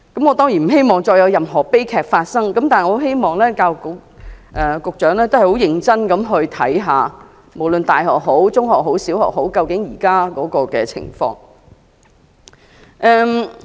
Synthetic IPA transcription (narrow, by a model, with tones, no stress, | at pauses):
kɐ˨˥mŋɔ˨˧t̪ɔː˥ŋjiː˨˩nm̩˨˩ɦe˥jmɔː˨ŋt͡ʃɔː˧jɐ˨˧wjɐ˨mɦɔː˨˩pe˥jkʰɛː˨k̚faː˧t̚sɐ˥ŋkɐ˨˦mt̪aː˨ŋɔː˨˧˥ɦe˥jmɔː˨˩ŋlɛː˥kaː˧wkʊ˨˧ʔɛː˨kʊ˨k̚t͡ʃœː˨˥ŋlɛː˥t̪o˥whɐ˨˩ho˨˥wjɪ˨˧ŋt͡sɐ˥nkɐ˨˧˥mɦɵ˧ɥt̪ʰɐ˨˥jɦaː˨˧ | mo˨˩wlɵ˨nt̪aː˨jɦɔː˨k̚ɦo˨˥wt͡sʊ˥ŋɦɔː˨k̚ho˨˥wsiː˨˥whɔ̰ː˨k̚ho˨˥wkɐ˧wkɪ˨˥ŋjiː˨˩kaː˥kɔː˨˥kɔː˧kɛː˧t͡sʰɪ̰˨˩ŋfɔ̰ː˧ŋ | ʔɛː˧m